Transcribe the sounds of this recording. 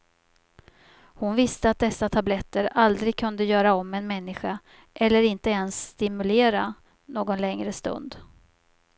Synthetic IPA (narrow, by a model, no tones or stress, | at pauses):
hʊnvɪst̪əat̪̚d̪ɛsːat̪ʰablɛt̪ːəɾald̪ɾɪɡ̚kʰɵnd̪əjœːɾaɔmːɛnmɛnːɪɧa | ʔɛlːəɾɪnt̪əɛnsːt̪ɪmɵleːɾa | noːɡɔnlɛŋɾəst̪ɵ̰nd̪